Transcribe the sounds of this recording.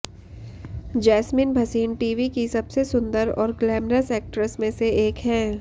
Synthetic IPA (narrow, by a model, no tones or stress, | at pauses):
d͡ʒɛːsminbʱɐsiːnʈiːʋikisɐbsesʊ̃nd̪əɾɔ̰ːɾɡlɛːmɾəsɛːk̚ʈɾəsmẽseeːkɦɛ̃ː